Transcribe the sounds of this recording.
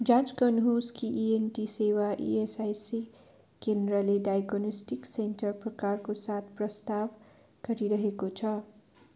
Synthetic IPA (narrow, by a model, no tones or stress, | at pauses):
d͡zãd͡zkʌnɦuskiʔienʈisewaʔḭesajsi | kendrʌleɖajɡonosʈiksenʈʌrprʌkarkosat̪ʰprʌst̪ab | ɡ̥ʌɾiɾʌɦekot͡sʰʌ